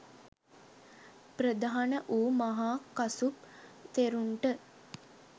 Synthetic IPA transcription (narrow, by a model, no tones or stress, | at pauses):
pɾəd̪aɦanəʔuːmaɦaːkasup̚t̪eɾuɳʈə